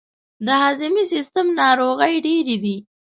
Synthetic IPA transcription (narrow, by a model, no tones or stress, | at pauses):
d̪əɦɑzɪmisɪst̪əmnɑɾoɣəjɖeɾid̪i